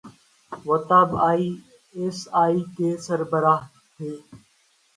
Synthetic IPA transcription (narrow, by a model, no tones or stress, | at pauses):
ʋət̪aːbaːiː | esaːiːkeːsəɾbəɾaːɦ | t̪ʰeː